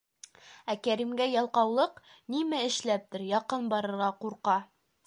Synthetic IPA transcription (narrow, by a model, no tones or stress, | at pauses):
ækæɾimɡæjɑlˠqɑwlˠɤq | nimæɘ̆ʃlæp̚t̪ɘɾjɑqɤnbɑɾɤ̆ɾʁɑquɾqɑ